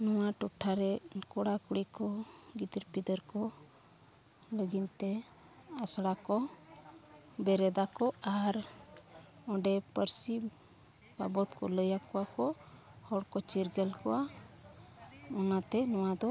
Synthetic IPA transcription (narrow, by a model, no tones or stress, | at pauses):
nɔwaʈuʈʰːaɾɛkɔɽakuɽikɔɡit̪iɾpid̪əɾkɔ | ləɡint̪ɛ | asɽakɔ | bɛɾɛd̪akɔaɾ | ɔɖɛpəɾsi | ba̰bɔt̪kɔləjakɔwakɔhɔɽkɔt͡ʃiɾɡɛlkɔwa | ɔnat̪ɛnɔwad̪ɔ